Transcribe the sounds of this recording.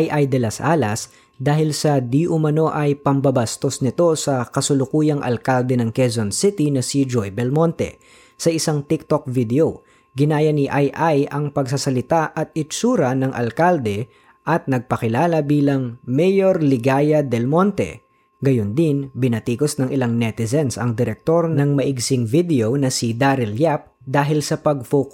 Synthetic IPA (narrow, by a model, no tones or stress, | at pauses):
ʔjʔajd̪ɛlɐsʔa̰ːlɐs | d̪aːhɪlsɐd̪iʔʊmɐno̞ʔɐjpɐmbɐbɐst̪o̞snɪt̪o̞sɐkɐsʊlʊkuːjɐŋʔɐ̰lkald̪ɛnɐŋkɛzonsɪt̪inɐsid͡ʒojbɛlmo̞nt̪ɛ̰ | sɐʔɪsaŋt̪ɪk̚t̪ok̚vid̪ɛo | ɡɪnaːjɐniʔajʔajʔɐŋpɐɡs̬asɐlɪt̪aʔɐt̪̚ɪt͡ʃuːɾɐnɐŋʔɐ̰lkald̪ɛ | ʔɐt̪̚nɐɡ̚pɐkɪlaːlɐbiːlɐŋmɛjoɾlɪɡaːjɐd̪ɛlmo̞nt̪ɛ̰ | ɡɐjond̪ɪnbɪnɐt̪iːkosnɐŋʔɪlaŋnɛt̪ɪzɛnsɐ̰ŋd̪ɛɾɛk̚t̪o̞ɾnɐŋmɐʔɪɡsɪŋvid̪ɛonɐsid̪aɾɛljap̚ | d̪aːɦɪlsɐpɐɡ̚foːkʊ̥